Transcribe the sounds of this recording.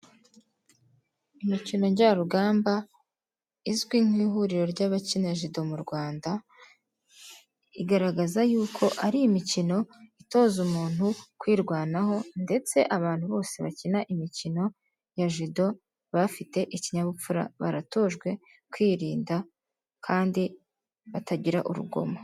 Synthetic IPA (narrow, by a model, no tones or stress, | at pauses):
imicino̞ɲɟaɾuɡaːmba | izɡwiːŋ̥iːɦuɾiɾo̞ɾɟaβacinaʒido̞muɾɡwaːnda | iɡaɾaɡazajuːkʰo̞ʔaɾiimicino̞ito̞ːzumuːn̥hukwiːɾɡwaːnaɦo̞nde̞t͡se̞̰ʔaβaːn̥huβo̞ːse̞βacinaʔimicino̞ | jaʒido̞ | βafite̞ʔiciɲaβup͡fuɾa̰βa̰ɾato̞ːʒɡwe̞ | kwiːɾiːnda | kʰaːndi | βatʰaɟiɾa̰ʔṵɾṵɡo̞̰mo